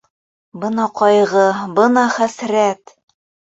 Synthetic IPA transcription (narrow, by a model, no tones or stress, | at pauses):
bɤnɑqɒjʁɤbɤnɑχæsɾæt̪